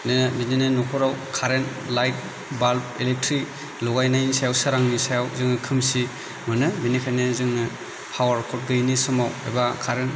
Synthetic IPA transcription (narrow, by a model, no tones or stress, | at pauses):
nɯbininɯnɔkʰɔɾawkʰaɾen | lajt̚ | balp̚elek̚tʰɾik | lɔɡajnajnisajawsaɾaŋnisajawzɯŋnɯkʰɯmsi | mɯnɯbinikʰajnɯzɯŋnɯ | pʰawaɾkʰɔt̚ɡɯjnisɔmawḛjbakʰaɾen